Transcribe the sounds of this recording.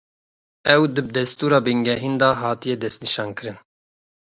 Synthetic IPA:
ɛwd̪ɨb̚d̪ɛst̪uːɾɑːbɨŋɡɛɦind̪ɑːɦɑːt̪ijɛd̪ɛst̪niʃɑːnkɨɾɨn

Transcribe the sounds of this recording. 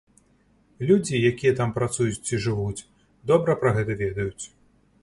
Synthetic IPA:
lʲud͡zʲijakʲijɛt̪ampɾat̪sujuiʐɨvut͡sʲ | d̪ɔbɾɐpɾɐɣɛt̪ɐvʲɛd̪ɐjut͡sʲ

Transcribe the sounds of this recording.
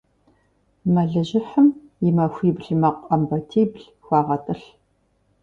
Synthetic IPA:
mɐɮɨʑɪħəmjɪmɐxʷiːbɮmɐqʼɐmbɐtʰiːbɮ | xʷɑːʁɐtʼɨɬ

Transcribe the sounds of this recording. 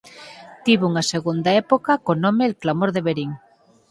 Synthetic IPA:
t̪iβuŋaseɣund̪aɛpokakonõmeːlklamoɾðeβeɾiŋ

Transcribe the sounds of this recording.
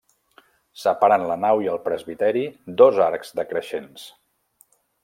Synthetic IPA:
səpaɾənlənawiəlˠpɾəzβit̪ɛɾid̪ɔzaɾkz̥d̪əkɾəʃens

